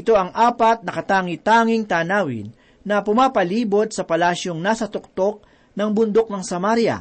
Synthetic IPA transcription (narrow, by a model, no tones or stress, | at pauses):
ʔɪt̪o̞ʔɐŋʔaːpɐt̪̚nɐkɐt̪aːŋɪt̪aːŋɪŋt̪aːnaːwɪ̰nː | ɐpʊmaːpɐliːbod̪̚sɐpɐlaːʃjoŋnasɐt̪ʊk̚t̪o̞k̚ | nɐŋbʊnd̪ok̚nɐŋsɐmaɾjɐ̰